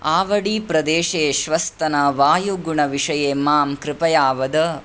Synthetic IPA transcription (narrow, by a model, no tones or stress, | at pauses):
aːʋɐɽiːpɾɐd̪eːʂeːʃʋɐst̪ɐnɐʋaːjuɡuɳɐʋiʂɐjeːmaːmkɾɪpɐjaːʋɐd̪ɐ